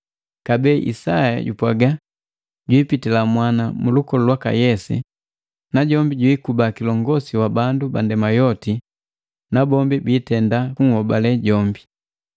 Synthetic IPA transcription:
kabɛːʔḭsaja̰ɟṵpwaɡa | ɟwiːpitilamwanamulukɔlɔlwaka̰jɛsɛ̰ | naɟɔmbiɟwikubakilɔŋɡɔsiwabandubandɛmajɔti | nabɔmbibiːtɛndakuŋ̩hɔbalɛɟɔmbi

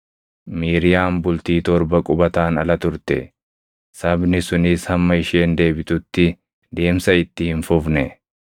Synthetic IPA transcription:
miːɾɪjaːmbʊlt̪iːt̪ɔɾbɐkʼʊbɐt̪aːnɐ̰lɐt̪ʊɾt̪ɛ̰ | sɐbnɪsʊnɪshɐmːɐɪʃe̞ːnd̪e̞ːbɪt̪ʊt̪ːɪ | d̪e̞ːmsɐɪt̪ːɪhɪnfʊfnɛ

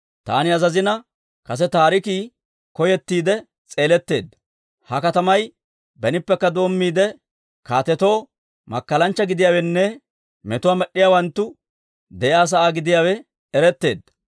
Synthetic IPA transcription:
t̪a̰ːnɪɐzɐzɪnɐ | kɐs̬ɛt̪aːɾɪkiː | kɔjɛt̪ːiːd̪ɛ | t͡sʼe̞ːlɛt̪ːe̞̰ːd̪ːɐ̥ | hɐkɐt̪ɐmɐj | bɛnɪpːɛkːɐd̪o̞ːmːiːd̪ɛ | kaːt̪ɛt̪o̞ː | mɐ̰kːɐlɐnt͡ʃːɐɡɪd̪ɪjaːwɛnːɛ | mɛt̪ʊwaːmɛɗːɪjaːwɐnt̪ːʊ | d̪ɛʔjaːs̬ɐʔaːɡɪd̪ɪjaːwɛ | ɛɾɛt̪ːe̞̰ːd̪ːɐ̥

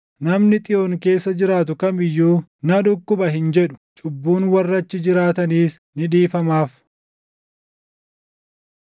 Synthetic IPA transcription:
nɐmnɪt̪ʼɪjoːŋke̞ːsːɐd͡ʒɪɾaːt̪ʊkɐmɪjːuːnɐᶑʊkːʊbɐhɪnd͡ʒɛɗʊ̥t͡ʃʼʊbːuːnwɐrːɐt͡ʃːɪd͡ʒɪɾaːt̪ɐniːs | nɪᶑiːfɐmaːf

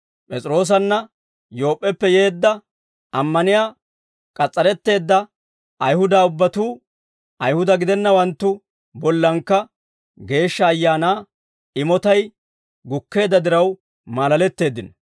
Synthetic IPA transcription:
pʼɛt͡sʼɪɾo̞ːs̬ɐnːɐ | jo̞ːpʼːɛpːɛje̞ːd̪ːɐ | ɐmːɐnɪjaː | kʼɐt͡sʼːɐɾɛt̪ːe̞ːd̪ːɐ | ɐjhʊd̪aːʊbːɐt̪uː | ɐjhʊd̪ɐɡɪd̪ɛnːɐwɐnt̪ːʊ | bɔlːɐŋkːɐ | ɡe̞ːʃːɐːjːaːnaː | ɪmɔt̪ɐj | ɡʊkːe̞ːd̪ːɐd̪ɪɾɐw | maːlɐlɛt̪ːe̞ːd̪ːɪnɐ

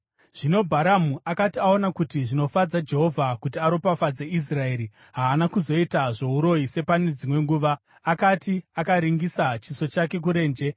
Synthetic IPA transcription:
ʐ̥ino̞bʱaɾamuʔakatiao̞nakutiʐino̞fad͡zad͡ʒe̞ɦo̞vʱakut̬iaɾo̞pafad͡zeʔis̬rae̞ːɾi | ɦaːnakuzo̞itaʐo̞uɾo̞ise̞pane̞d͡zimwe̞ŋɡuːʋaː | katiakaɾiŋɡisat͡ʃiso̞t͡ʃake̞k̬uɾe̞ːnd͡ʒe̞

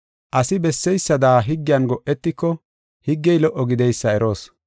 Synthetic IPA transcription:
ʔɐsɪbɛsːɛjsːɐd̪aːɦɪɡːɪjɐnɡɔʔɛt̪ːɪkːɔ | hɪɡːɛjlɔʔːɔɡɪd̪ɛjsːɐɛɾo̞ːs

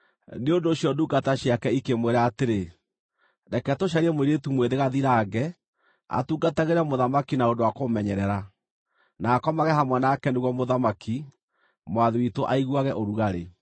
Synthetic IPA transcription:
neondoːɕjɔduɡataɕiakɛikemweɾaːteɾe | dɛkɛtoʃ̬aɾiɛmweɾietumweðeɣaðiɾaːɡɛ | a̰tuɡataɣeɾɛmoðamakinaondowakomɛɲɛɾɛɾa | naːkɔmaɣɛhamwanaːkɛneɣwɔmoðamakʰi | mwaðewitoʔaiɣwaɣɛʔoɾuɣaɾe

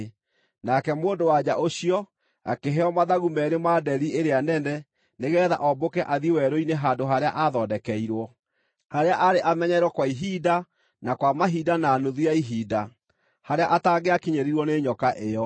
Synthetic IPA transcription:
nakɛmoːndowad͡ʑaʔoɕiɔ | a̰keɦeɔmaðaɣumɛɾemadɛɾieɾeanɛnɛ | neɣɛːða̰ʔɔbokɛʔaðiwɛɾoineɦandoɦaɾea̰ʔaðɔdɛkɛiɾwɔ | haɾeaʔaɾeʔamɛɲɛɾwɔkwaiɦida | nakwamaɦidanaːnoðuaiɦiːda | haɾeaʔataɡeakiɲeɾiɾwɔneɲɔkaʔejɔ

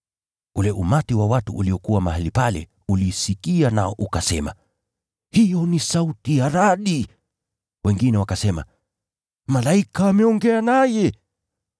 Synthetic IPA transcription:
ulɛʔumatiwawatuʔːliɔkuwamahalipalɛ̰ | ulisikianaɔʔukasɛma̰ | hijɔnisautijaɾaɗi | wɛŋɡinɛwakasɛma̰ | malaikaːmɛɔŋɡɛanajɛ

